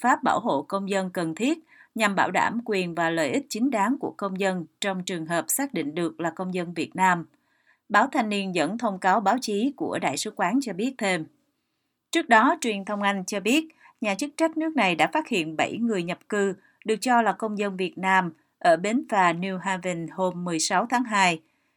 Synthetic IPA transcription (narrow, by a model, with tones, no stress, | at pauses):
faː˦˥p̚ɓa̰ː˧˩wɦo̰˧˨kə˧wŋ͡mzə˧nkə˨˩nt̪ʰi˦˥ət̚ɲa˨˩mɓaː˧˩wɗa̰ː˧˩mkwi˨˩ənvaː˨˩lə̰ː˨˩jʔï˦˥t̚t͡ɕï˨˦ŋ̟ɗaː˨˦ŋku˧˩əkə˧wŋ͡mzə˧nt͡ɕɔ˧wŋ͡mt͡ɕɨ˨˩əŋɦəː˨˩p̚saː˦˥k̚ɗḭ̈˧˨ŋ̟ɗɨ˨˩ək̚laː˨˩kə˧wŋ͡mzə˧nvi˨˩ət̚naː˧m | ɓaː˨˦wt̪ʰa˧jŋ̟ni˧ənzə̰˧˥nt̪ʰə˧wŋ͡mkaː˨˦wɓaː˨˦wt͡ɕi˨˦ku˧˩əɗa̰ː˧˨jsɨ˨˦kwaː˨˦nt͡ɕɔ˧ɓi˦˥ət̚t̪ʰe˧m | t͡ɕɨ˦˥ək̚ɗɔ˨˦t͡ɕwi˨˩ənt̪ʰə˧wŋ͡mʔa˧jŋ̟t͡ɕɔ˧ɓi˦˥ət̚ | ɲaː˨˩t͡ɕɨ˦˥k̚t͡ɕə˦˥t̚nɨ˦˥k̚na˨˩jɗa̰ː˧˥faː˦˥t̚hḭ˧˨ənɓə˧˩jŋɨ˨˩əjɲə˨˩p̚kɨ˧ | ɗɨ˨˩ək̚t͡ɕɔ˧laː˨˩kə˧wŋ͡mzə˧nvi˨˩ət̚naː˧m | ʔəː˧˩ɓe˨˦nvaː˨˩ni˧ɦaː˧və˧nho˧mːɨ˨˩əjsa˨˦wt̪ʰaː˨˦ŋɦaː˧j